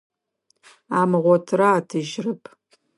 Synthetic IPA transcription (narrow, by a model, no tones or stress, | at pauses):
amʁʷatʰraːtʰɨʒrɨpʼ